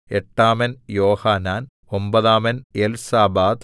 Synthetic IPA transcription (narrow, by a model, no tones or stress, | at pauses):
eʈːaːmɐnjoːhaːnaːn | ombɐðaːmɐnelsaːbaːt̪